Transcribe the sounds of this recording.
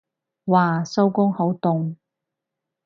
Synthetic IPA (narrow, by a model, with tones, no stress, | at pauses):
waː˨˧so˥wkʊ˥ŋho˨˥wt̪ʊ˨ŋ